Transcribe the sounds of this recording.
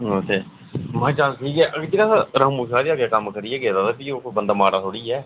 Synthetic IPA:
oːt̪ʰeː | mãːt͡ʃãːʈʰiːkɦɛːʔəɡd͡ʒeːɾaːsaɾəːmuːʃaːɾiaːɡjaːkəmkəɾiɛːɡeːd̪aːt̪aːpiːoːkːbənd̪aːmaːɾaːt̪ʰoːɽiːɛː

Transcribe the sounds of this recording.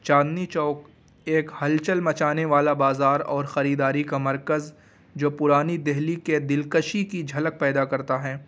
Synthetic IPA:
t͡ʃaːd̪nit͡ʃɔːk | eːkhɐlt͡ʃəlmɐt͡ʃaːneʋaːlabaːzaːɾɔːɾxɐɾiːd̪aːɾikamɐɾkəz | d͡ʒoːpʊɾaːnid̪ɛɦliked̪ɪlkəʃikid͡ʒʱɐlək̚pɛːd̪akɐɾt̪aɦɛː

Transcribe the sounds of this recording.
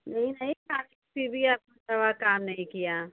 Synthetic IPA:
nɐɦĩnɐɦĩkaːɪkbibʱiaːp̚kotɐʋakaːmnɐɦĩkijaː

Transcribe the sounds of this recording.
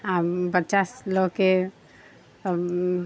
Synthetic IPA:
apətːt͡ʃasloke

